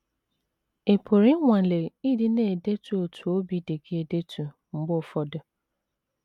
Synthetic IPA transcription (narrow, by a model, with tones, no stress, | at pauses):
e˨pʰo˨ɾi˦ŋʷa˨le˨i˦di˦ne˨de˦tu˨o˨tʰu˨o˦bi˨˦de˨ɡe˦e˨de˦tu˨ | ŋ͡m̩˨ɡ͡bʊ˦˨fɔ˦dʊ˦